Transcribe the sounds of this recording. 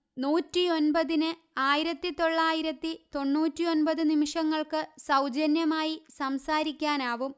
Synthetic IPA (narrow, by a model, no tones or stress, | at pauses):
nuːtːio̞nbɐðinɨ | aːjiɾɐt̪ːit̪o̞ɭːaːjiɾɐt̪ːit̪o̞ɳːuːtːio̞npɐðɨnimiʂɐŋːɐɭkɨsɐwd͡ʑɐnjɐmaːjisɐmsaːɾikʲːaːnaːʋum